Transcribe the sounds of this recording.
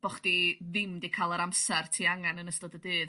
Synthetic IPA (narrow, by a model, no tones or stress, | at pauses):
b̥ɔχd̥iðɪmdikʰalˠəɾamsɛrtʰiːaŋanənəstɔdədɨːð